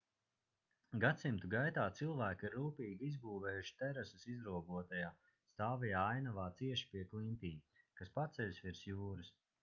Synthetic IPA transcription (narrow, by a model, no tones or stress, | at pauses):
ɡat̪simt̪uɡajt̪aːt̪silˠvæːkiɾːuːpiːɡʲiizbuːvɛːjuʃi̥t̪ɛɾasusizɾuɔɡuɔt̪ajaː | st̪aːvijaːajnavaːt̪siɛʃi̥piɛklint̪iː | kaspat̪sɛlʲsʲvʲiɾsjuːɾɨs